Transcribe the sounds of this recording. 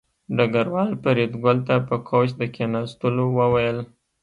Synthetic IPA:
ɖaɡaɾwɑlpəɾed̪ɡʊlt̪apəkʰot͡ʃd̪əkenɑst̪əlowəwajəl

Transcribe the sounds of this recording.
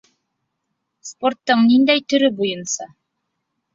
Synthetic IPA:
spo̞rt̪ːɤɴnind̪æjt̪ɵ̆ɾɵbujɤnsɑ

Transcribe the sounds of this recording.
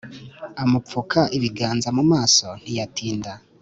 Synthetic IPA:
amufukʰaʔiβiɡaːnzamumaːso̞nijatiːnda

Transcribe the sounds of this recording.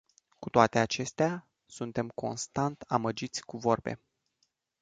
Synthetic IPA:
kut̪oat̪e̞at͡ʃe̞st̪ea | sunt̪e̞mko̞̰nst̪ant̪aməd͡ʒit̪sʲkuvo̞rbe̞̰

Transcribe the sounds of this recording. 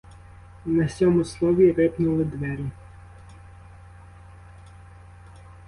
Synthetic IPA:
nɐsʲɔmʊslˠɔʋʲiɾɪpnʊlˠɪd̪ʋɛɾʲi

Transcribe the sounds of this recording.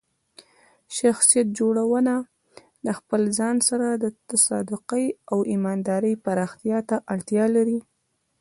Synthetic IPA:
ʃaxsijat̪̚d͡ʒoɽawəna | laxpəlzɑnsaɾad̪ət̪asɑ̰d̪ʊqəjawimɑnd̪ɑɾəjpaɾɑxt̪ijɑt̪aʔaɽt̪jɑlaɾi

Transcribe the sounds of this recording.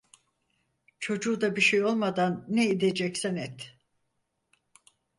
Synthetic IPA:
t͡ʃʰo̞d͡ʒuːd̪abiʃejo̞lˠmad̪anːeid̪e̞d͡ʒɛcsɛnɛt̪

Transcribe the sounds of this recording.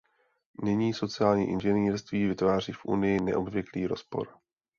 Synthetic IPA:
nɪɲiːso̞t͡sɪaːlɲḭːʔɪnʒɛniːrst̪viːvɪt̪vaːr̝iːfʔṵnɪjɪnɛ̰ʔo̞bvjɛkliːɾo̞spo̞̰ɾ

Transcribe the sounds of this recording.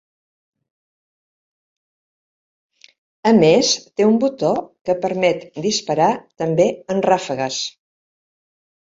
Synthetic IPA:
əmest̪eumbut̪okəpəɾmɛt̪d̪ispəɾat̪əmbeənrafəɣəs

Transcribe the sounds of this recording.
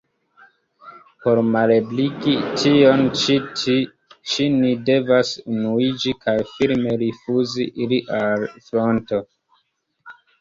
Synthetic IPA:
po̞ɾmalebliɡitʰio̞n | t͡ʃinide̞vasunuid͡ʒikʰajfiɾme̞ɾifuziʔiliʔalfɾo̞nto

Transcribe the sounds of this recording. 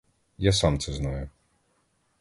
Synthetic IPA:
jasɑmt̪sɛznajʊ

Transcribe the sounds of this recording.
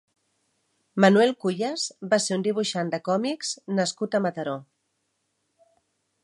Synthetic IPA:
mənuɛlˠkuʎəzbaseund̪iβ̞uʃand̪əkɔmikznəskut̪əmət̪əɾo

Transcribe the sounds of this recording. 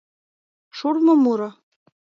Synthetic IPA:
ʃurmɤ̆muɾɤ̆

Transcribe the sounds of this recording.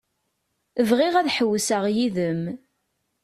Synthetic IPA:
əvʁɪʁæðħəwːsəʁjiðəm

